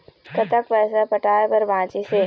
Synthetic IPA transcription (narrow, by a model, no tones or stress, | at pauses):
kɐt̪əkʋɛːsapɐʈaːepɐɾbãːt͡ʃise